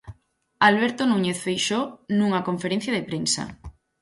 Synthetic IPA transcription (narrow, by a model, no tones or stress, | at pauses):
alβ̞eɾt̪onuɲeθfejʃonũŋakoɱfeɾen̟θjaðepɾensa̰